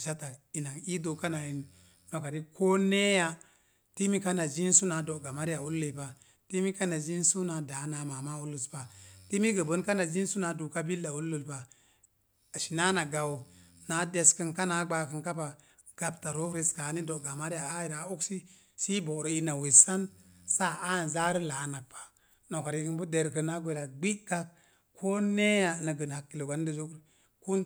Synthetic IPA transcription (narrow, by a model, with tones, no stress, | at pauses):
ʃa˦ta˨i˨na˨i˦do˨ka˦na˨i˨n | no˨ka˨ɾi˦kʰo˦ne˦ja˦ | ti˦mi˦ka˦na˨d͡ʒi˦nsu˦na˨do˨ɡa˨ma˦ɾi˦a˨u˦lːe˨pa˨ | ti˦mi˦ka˦na˨d͡ʒi˦nsu˦na˨da˨˦na˨ma˨ma˦u˦lːu˨spa˨ti˦mi˦ɡə˨bə˦nka˦na˨d͡ʒi˦n˦su˦na˨du˨ka˦bi˦lːa˨u˦lːu˨lpa˨ | a˨ʃi˨na˦na˨ɡa˨wna˨˦de˨skə˨nka˦na˨˦ɡ͡ba˨kə˨nka˦pa˨ | ɡ̥a˨b̚ta˨ɾo˦fɾe˦ska˨˦ni˦do˨ɡa˨ma˦ɾi˦ja˨a˦ji˨ɾa˨u˦ksi˦ | si˦bo˨ɾo˨i˨na˨wi˨sa˦nsa˦a˦˨n˨za˦ɾə˦la˨na˨k̚pʰḁ˨ | no˨ka˨ɾi˨kə˦nbu˦de˨ɾkə˨na˦ɡʷe˨la˨ɡ͡bi˦ka˦k̚ | kʰːo˦ne˦ja˨nə˨ɡə˨n˨ha˨kːi˨lo˨ɡa˦n˦də˨zo˦kɾ | ku˦n